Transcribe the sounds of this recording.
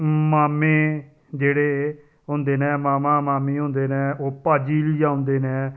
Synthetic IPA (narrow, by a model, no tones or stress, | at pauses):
maːmẽː | d͡ʒeːɽeː | ɦʊ̃nd̪eːnɛ̃ːmaːmãːmaːmiːɦʊ̃ːnd̪eːnɛ̃ːʔoːpaːd͡ʒiːlɪjaːʊ̃ːnd̪eːnɛː